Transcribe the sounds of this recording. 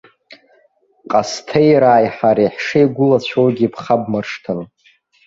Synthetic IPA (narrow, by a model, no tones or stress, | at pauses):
qʼastʰejɾaːjħaɾiħʂejɡʷʊlat͡ɕʷʰowɡʲipʰχab̚marʂtʰɨn